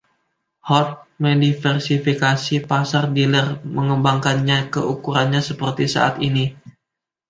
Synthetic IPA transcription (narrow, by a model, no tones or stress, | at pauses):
hɔt̪̚mədifɛrsifikasipasardilərməŋəmbaŋkanɲakəukuɾanɲasəpərt̪isa̰ʔa̰t̪ini